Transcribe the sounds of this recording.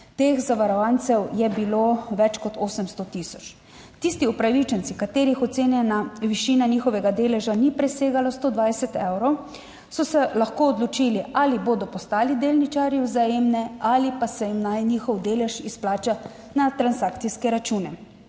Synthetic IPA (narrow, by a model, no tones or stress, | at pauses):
t̪eːxzaʋaɾɔʋant̪sɛwjɛbiloʋɛt͡ʃkɔt̪oːsɛmst̪ɔt̪isɔ̥t͡ʃ | t̪iːst̪iɔpɾaʋit͡ʃɛnsikat̪eːɾixɔt̪seːnjɛnaʋiʃiːnaniːxɔʋɛɡad̪eːlɛʒanipɾɛseːɡalast̪oːd̪ʋajsɛt̪ɛwɾɔw | sɔsɛlaxkoːd̪lɔt͡ʃiːliʔaliboːd̪ɔpɔst̪aːlid̪eːlnit͡ʃaːɾjiwzajeːmnɛalipasɛjimnajnixɔwd̪eːlɛʃisplaːt͡ʃa | nat̪ɾansaːkt̪siskɛɾat͡ʃuːnɛ